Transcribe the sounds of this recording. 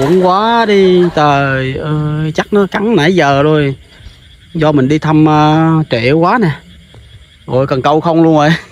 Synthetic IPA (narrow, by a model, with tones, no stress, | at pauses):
ṵ˧˩əŋkwaː˨˦ɗi˧t̪əː˨˩jʔəː˨˩t͡ɕa˦˥k̚nɔ˨˦ka˨˦ŋna˧˦jzəː˨˩zo˨˩j | zɔ˧mï˨˩ŋ̟ɗi˧t̪ʰə˧mʔəː˧t͡ɕḛ˧˩kwaː˨˦nɛ˨˩ | ɣo˨˩jkə˨˩nkə˧wxə˧wŋ͡mlu˧əŋʔo˨˩j